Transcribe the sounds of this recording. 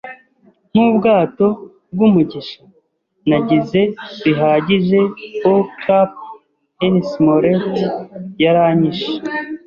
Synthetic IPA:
n̥ubɡaːto̞ | b̚ɡumuɟiʃa | naɟize̞βiɦaɟiʒe̞okʰap̚ | enismoɾetjaɾaɲiʃe̥

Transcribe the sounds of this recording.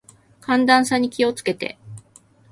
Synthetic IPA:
kʰãnd̪ãɰ̃saɲ̟ikʲio̞t͡sɨ̥ke̞t̪e̞̰

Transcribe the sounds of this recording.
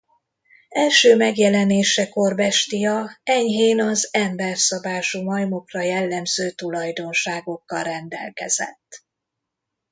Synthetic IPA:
ɛlʃøːmɛɡjɛlɛneːʃɛko̞rbɛʃt̪ijɒɛɲɦeːnɒzɛmbɛrsɒbaːʃumɒjmo̞krɒjɛlːɛmzøːt̪ulɒjd̪o̞nʃaːɡo̞kːɒlrɛnd̪ɛ̰lkɛ̰z̥ɛ̰t̪ː

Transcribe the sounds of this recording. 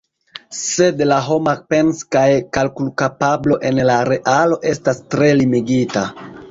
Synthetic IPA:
se̞dlaɦo̞mape̞nskajkalkulkapablo̞ʔe̞nlaɾe̞ʔalo̞ʔe̞stastɾe̞limiɡita

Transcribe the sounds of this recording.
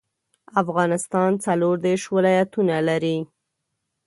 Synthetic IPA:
afɣɑnɪst̪ɑnt͡saloɾd̪eɾʃwɪlɑjat̪unalaɾi

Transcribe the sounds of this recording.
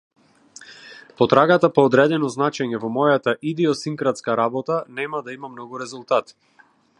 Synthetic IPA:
pɔt̪ɾaɡat̪apɔːd̪ɾɛd̪ɛnɔznat͡ʃɛɲɛvɔmɔjat̪aʔid̪iɔsiŋkɾat̪skaɾabɔt̪anɛmad̪aimamnɔɡuɾɛzulˠt̪at̪

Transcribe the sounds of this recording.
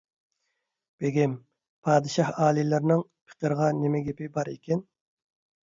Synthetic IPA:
b̥eɡʲɪm | pʰɑːd̪ɨʃɑhɑːlˠilɨɾnɨŋpʰə̥qəɾʁɑnemɪɡʲepɪbɑɾekʲɛn

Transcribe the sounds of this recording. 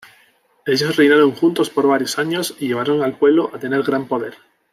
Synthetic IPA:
e̞ʎosrejnaɾo̞ŋxunt̪o̞spo̞ɾβ̞aɾjosaɲo̞siʝe̞β̞aɾo̞ŋalpwe̞βlo̞ʔat̪e̞ne̞ɾɣɾampo̞ð̞e̞ɾ

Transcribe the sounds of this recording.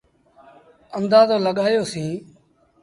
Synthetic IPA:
əmd̪aːzõːləɠaːjoːsĩː

